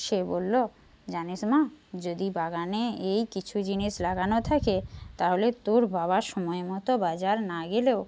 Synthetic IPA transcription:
ʃebolːo | d͡ʑanesmad͡ʑod̪ibaɡaneejkit͡ɕʰud͡ʑiniʃlaɡanot̪ʰaket̪aɦolet̪oɾbʱabaʃɔmɔemɔt̪obad͡ʑaɾnaɡeleo

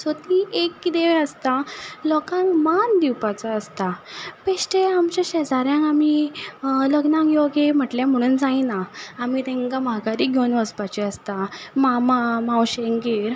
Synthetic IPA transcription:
sot̪iekːid̪eʋeəst̪alɔkãŋkmand̪iwpat͡saːst̪apeɕʈeamt͡ɕaɕɛd͡zaɾjãŋkami | ləɡnãŋkjoɡem̤əʈljãm̤əɽ̃uːnd͡zainaːmit̪ɛ̃ŋkamaɡaɾiːɡʱonʋəspat͡ɕiəst̪amamamãwɕeŋɡiːɾ

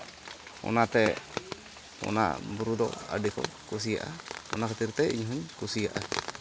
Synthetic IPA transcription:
ɔ̰nat̪ɛ | ɔ̰na̰buɾud̪ɔa̰ɖɛkɔ̰kus̬ijaʔaɔnakʰət̪iɾt̪ɛiɲɦuɲkusijaʔa

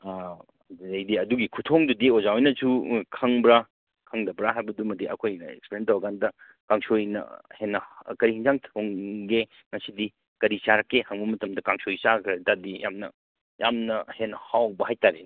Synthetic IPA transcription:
dɐjdiɐduɡikʰutʰoŋdudiozawjnɐsukʰɐŋbɾa | kʰɐŋdɐbɾaɦajbɐdumɐdiʔɐ̰kʰojḛkspeɾjentɐwɐɡandɐ | kaŋsojnɐ̰henːɐkɐɾihiŋzaŋtʰoŋɡe | ŋɐsidi | kɐɾisaɾɐkːehɐŋbɐmɐtɐmdɐkaŋsojsakʰɐdadija̰mnɐ̰ | ja̰mnɐhenɐhawbɐɦajtaɾe

